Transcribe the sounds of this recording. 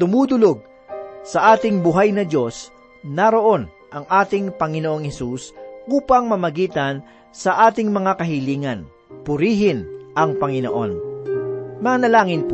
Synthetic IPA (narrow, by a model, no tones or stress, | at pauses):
t̪ʊmuːd̪ʊlo̞ɡ̚ | sɐʔaːt̪ɪŋbʊɦajnɐd̪jo̞s | nɐɾo̞ʔo̞n | ʔɐŋʔaːt̪ɪŋpɐŋɪnoʔo̞ŋhɛsusʔuːpɐŋmɐmɐɡiːt̪ɐn | sɐʔaːt̪ɪŋmɐŋakɐɦɪliːŋɐn | pʊɾiːɦɪnʔɐŋpɐŋɪno̞̰ʔo̞n | mɐanɐlaːŋɪn